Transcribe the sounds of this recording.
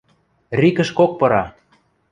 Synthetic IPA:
rikə̆ʃkok̚pɤ̆ɾɑ

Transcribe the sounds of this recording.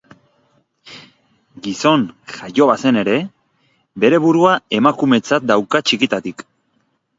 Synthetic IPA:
ɡiso̞nʝajo̞βase̞ne̞ɾe̞ | be̞ɾe̞βuɾuae̞makume̞t͡sat̪̚d̪awkat͡ʃikit̪at̪ik

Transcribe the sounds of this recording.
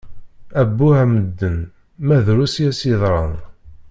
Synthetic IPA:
æbːuhæməd̪ːən | mæðɾusjæsiðˤɾˤɑn

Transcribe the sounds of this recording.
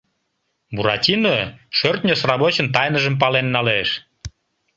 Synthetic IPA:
buɾɑtʲinoʃørt̪nʲosrɑβot͡ɕənt̪ɑjnəʒəmp̬ɑlenːɑleʃ

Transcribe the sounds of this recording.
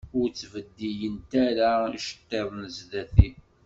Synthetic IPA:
ʊɾt͡sːvəd̪ːijənt̪æɾaʃə̥t̪ːeðˤnəzðæθi

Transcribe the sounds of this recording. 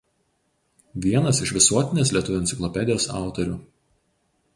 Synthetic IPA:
ʋʲiɛnɐsɪʃʋʲɪsuɔt̪ʲɪnʲeːslʲiɛt̪ʊʋʲʊɛnt̪sʲɪklˠɔpʲɛd̪ʲɪjoːsɑ̰ˑʊt̪ɔɾʲʊ

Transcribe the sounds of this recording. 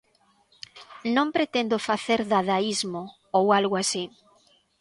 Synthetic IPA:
nõmpɾet̪end̪ofaθeɾðaðaizmo | owalɣoasi

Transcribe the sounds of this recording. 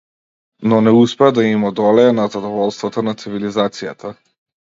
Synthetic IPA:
nɔnɛuspɛad̪aimɔd̪ɔlɛɛnazad̪ɔvɔlˠst̪vat̪anat̪sivilizat̪sijat̪ʰa

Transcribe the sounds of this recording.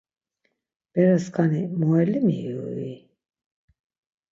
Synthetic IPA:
b̥ɛɾɛskʰanimɔɛlimiui

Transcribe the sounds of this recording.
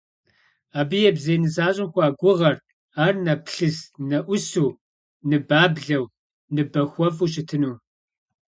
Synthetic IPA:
aːbɨjɛbzeːnɨzaːɕʼɪmxʷɑːɡʷʊʁɐr | aːrnɐpɬɨsnɐʔʷʊsuː | nɨbaːbɮɐw | nɨbɐxʷɔfuːɕ̬ɪtʰɨnuː

